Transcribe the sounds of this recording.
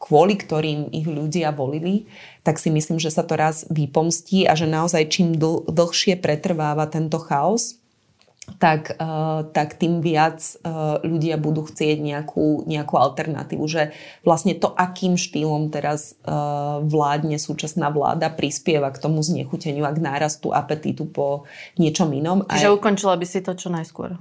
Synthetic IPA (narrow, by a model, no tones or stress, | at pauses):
kʋʊɔlikt̪ɔɾiːmḭɣʎuɟɪaʋɔlili | t̪aksimisliːmʒɛsat̪ɔɾazʋipɔmsciːʔa̰ʒɛnaɔzajt͡ʃiːmd̪̩d̪l̩ˠxʃɪɛpɾɛt̪r̩ʋaːʋat̪ɛnt̪ɔxaɔs | t̪akːt̪akt̪iːmʋɪat͡sʎuɟɪabud̪uːxt͡sɪɛɟɲɛakʰuːɲɛakualt̪ɛɾna̰t̪ḭːʋuʒɛ | ʋlasɲɛt̪ɔʔakiːmʃt̪iːlɔmt̪ɛɾaz | ʋlaːd̪ɲɛsuːt͡ʃasnaːʋla̰ːd̪apɾispɪɛʋakt̪ɔmuzɲɛ̰xucɛɲɪuaɡnaːɾast̪ṵʔapɛt̪ḭt̪upɔ | ɲɪɛt͡ʃɔminɔmt͡ʃaiʒɛukɔnt͡ʃilabisit̪ɔt͡ʃɔnajskʊɔ̰ɾ